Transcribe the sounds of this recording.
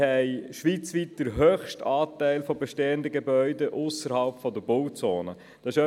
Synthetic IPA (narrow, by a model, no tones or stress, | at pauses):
ɛɪʃʋiːt͡sʋiːt̚d̪̥əɾɦøːχʃtɑːtæɪlfɔbeʃteːəndəɡebœʏdəʔʊsəɾhɑlpfɔd̪əb̥ʊwt͡soːnə | d̥ɑsɪʃœ